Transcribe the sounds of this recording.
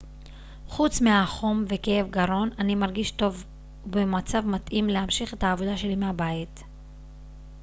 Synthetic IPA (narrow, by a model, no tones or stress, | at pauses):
χut͡smeaχo̞mve̞keefɡaɾo̞nanimaʁɡiʃto̞v | bemat͡savmat̪ʔimle̞hamʃiχe̞thaːvo̞d̪aʃe̞limeabait